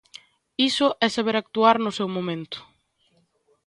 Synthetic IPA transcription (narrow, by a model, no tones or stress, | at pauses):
isʊʔɛsaβeɾak̚t̪uaɾnʊsewmomẽnt̪ʊ̥